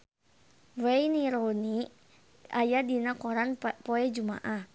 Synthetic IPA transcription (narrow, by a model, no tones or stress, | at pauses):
wejniɾoni | ajadinakɔɾanpoɛd͡ʒuma̰ʔah